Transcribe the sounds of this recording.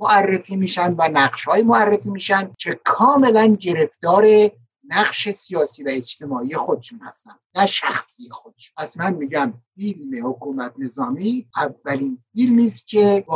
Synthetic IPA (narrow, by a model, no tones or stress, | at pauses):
moærːefiːmiːʃænd̪vænæɢʃhɒːjimoærːefiːmiːʃænd̪̚cʰe̞kʰɒːme̞lænɟe̞ɾe̞ft̪ɒːɾe | næɢʃe̞sijɒːsiːvæed͡ʒt̪ʰe̞mɒːije̞xod̪e̥ʃunhæ̰st̪ænd̪næʃæ̰xsiːjexod̪e̥ʃu̥pæsmænmiːɟæmfilmehokuːmæt̪ne̞zɒːmiːʔævːælinfilmiːst̪cʰe̞b